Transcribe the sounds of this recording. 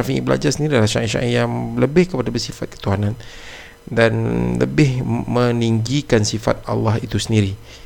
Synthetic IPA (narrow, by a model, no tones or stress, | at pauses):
afiḭbəla̰d͡ʒarsəndiɾidalahʃa̰ʔiʃa̰ʔijaŋləbɪhkəpadabərsifat̪̚kə̥t̪uɦanan | danlə̰bɪhməniŋɡikansifa̰t̪̚a̰lːaɦit̪usəndiɾi